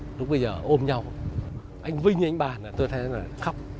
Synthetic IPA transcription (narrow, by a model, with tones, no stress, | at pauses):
ɗʊ˨˦˥k͡p̚ɓə˧jzəː˨˩ʔo˧mɲa˧w | ʔa˧jŋ̟vï˧ŋ̟ɲɨ˧a˧ŋ̟ɓaː˨˩na˨˩t̪o˧jt̪ʰa˨˦a˨˩xa˦˥wk͡p̚